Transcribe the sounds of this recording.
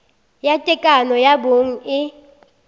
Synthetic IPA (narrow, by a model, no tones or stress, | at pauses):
jatʼɛkʼanɔjaboŋ̩ɪ